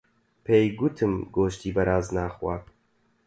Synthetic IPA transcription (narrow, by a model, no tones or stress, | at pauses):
pʰejɡut̪ʰɨmɡoːʃt̪ʰiːbɐɾaːznaːxwɑːt̪